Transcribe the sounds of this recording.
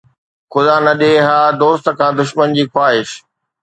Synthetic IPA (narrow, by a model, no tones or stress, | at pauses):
xʊd̪anɐɗeɦaːd̪oːst̪̆kʰãːd̪ʊʃmənd͡ʑiːxwaːɦɪʃ